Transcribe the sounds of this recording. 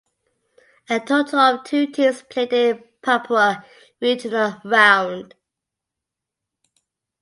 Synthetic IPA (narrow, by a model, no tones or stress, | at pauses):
ətʰotʰələvtʰʉːtʰispʰl̥eɪtɪ | pʰʌˑpʰlə | ɹid͡ʒnəlɹãʊ̃nd̥